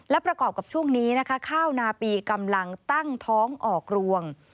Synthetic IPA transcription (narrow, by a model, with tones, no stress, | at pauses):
lɛ˦˥wpɾa˧kɔː˨˩p̚ka˨˩p̚t͡ɕʰu˥˩əŋniː˦˥na˦˥kʰa˦˥kʰaː˥˩wnaː˧piː˧ka˧mla˧ŋt̪a˥˩ŋt̪ʰɔː˦˥ŋʔɔː˨˩k̚ɾu˧əŋ